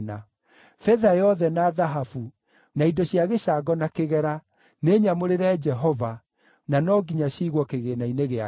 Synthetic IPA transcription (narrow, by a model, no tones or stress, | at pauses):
na | fɛðajɔðɛnaːðaɦafu | naidɔɕiaɣeɕaɡɔnakeɣɛɾa | neːɲamoɾeɾɛd͡ʒɛɦɔva | nanɔɡiɲaɕiɣwɔkeɣenaineɣea